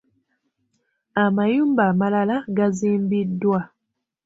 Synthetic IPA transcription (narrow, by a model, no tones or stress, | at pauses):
amajuːmbaːmalalaɡaziːmbidːwa